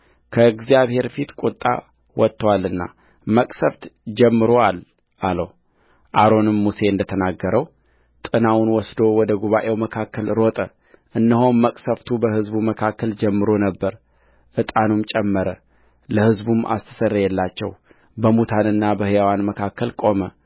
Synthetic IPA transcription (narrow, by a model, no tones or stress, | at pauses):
kʰəɡzijaβhe̞ɾfit̪kʼut̪ʼːa̰ | wɔt̪ːwalːɨnːa̰ | məkʼsəft̪d͡ʒɛmːɨɾo̞al | ʔaləw | ʔaɾo̞nɨmːuse̞ɨnd̪ət̪ʰənaɡːəɾəw | t̪ʼɨnawʊnwɔsd̪o̞wɔd̪əɡuβaʔe̞wməkʰakːəlɾo̞t̪ʼə | ʔɨnːɨɦo̞mːəkʼsəft̪ʰubəhɨzbuməkʰakːəld͡ʒɛmːɨɾo̞nəbːəɾ | ʔɨt̪ʼanumt͡ʃʼɛmːəɾə | ləhɨzbumʔa̰st̪ʰɨ̥sərːəjɛlːat͡ʃːɛ̰w | bəmut̪ʰanɨnːabəhɨjawanməkʰakʰːəlkʼo̞mə